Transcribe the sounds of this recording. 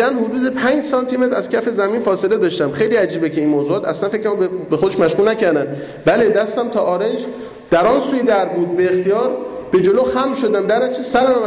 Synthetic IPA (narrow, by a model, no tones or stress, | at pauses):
ænhod̪uːd̪e̞pʰænd͡ʒsɒnt̪ʰimet̪ɾæz̥cʰæfe̞zæmiːnfɒːse̞le̞d̪ɒːʃt̪æmxejliːæd͡ʒiːbecʰe̞iːnmoːzuːɒːt̪ʰæ̰slænfekʰɾembe̞xod̪e̞ʃmæʃʁulnæcʰæɾd̪æn | bæle̞d̪æst̪æmt̪ʰɒːʔɒːɾend͡ʒ | d̪̥æɾɒnsuːjed̪æɾbuːd̪̚beːxt̪ijɒːɾb̥e̞d͡ʒoloxæmʃod̪æmd̪æɾæt͡ʃʰisæɾæmm